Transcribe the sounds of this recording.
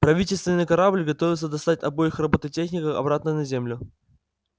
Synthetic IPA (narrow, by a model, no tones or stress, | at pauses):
pɾɐvʲitʲɪlʲst̪vʲɪnːɨjkɐɾablʲɡɐt̪o̞vʲɪt̪səd̪ɐst̪atʲɐbojɪxrɐbot̪ətʲexnʲɪkəɐ̰bɾat̪nənɐzʲemlʲʊ